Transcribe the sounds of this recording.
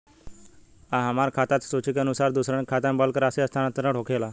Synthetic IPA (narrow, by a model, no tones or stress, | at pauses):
aɦamaɾkʰat̪at̪sot͡ɕikənusaɾd̪usɾaɳkʰat̪ãmbalkəɾaseəst̪ʰanat̪əɾə̃ʈʰokʰela